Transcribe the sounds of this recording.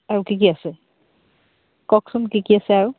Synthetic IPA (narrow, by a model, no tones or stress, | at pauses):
aɹʊkikiasɛ | kɔksumkikiasɛaɹu